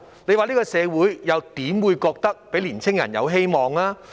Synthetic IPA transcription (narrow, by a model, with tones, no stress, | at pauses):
le˨˧jwaː˨˧liː˥kɔː˧sɛː˨˧wuː˨˥jjɐ˨˧wt̪iː˨˥mwuː˨˧jkɔː˧k̚t̪ɐ˥k̚pe˨˥jliː˨˩nt͡sʰɪ˥ŋjɐ̰˨˩njɐ̰˨˧wɦe˥jmɔː˨ŋlaː˥